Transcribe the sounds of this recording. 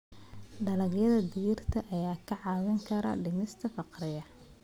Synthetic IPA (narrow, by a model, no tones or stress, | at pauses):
ɖɐlɐɣjɐðɐd̪ijɪrt̪ʰɐʔɐjaːkʰɐʕɑːwɪŋkʰɐɾɐ̰ɖɪmɪst̪ʰɐfɑqrɪjɐ